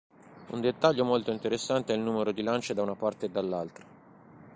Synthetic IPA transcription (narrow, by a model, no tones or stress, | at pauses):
ṵnd̪et̪ːaʎːomolt̪oint̪eɾesːant̪eɛilnuːmeɾod̪ilant͡ʃed̪aunapart̪eːd̪ːalːalt̪ɾḁ